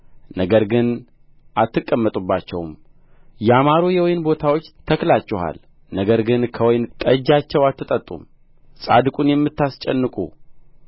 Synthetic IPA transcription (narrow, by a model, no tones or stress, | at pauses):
nəɡəɾɡɨn | ʔat̪ːɨkʼːəmːət̪ʼubːat͡ʃːɛwm | jɛamaɾojɛwɔjnbo̞t̪ʰawo̞t͡ʃːt̪ʰəklat͡ʃːɛɦa̰l | nəɡəɾɡɨnkʰəwɔjnk̪ʼəd͡ʒat͡ʃːɛwat̪ʰːɨt̪ʼət̪ʼːṵm | sʼa̰d̪ɨkʼunjɛmːɨt̪ːast͡ʃʼɛnːɨkʼṵ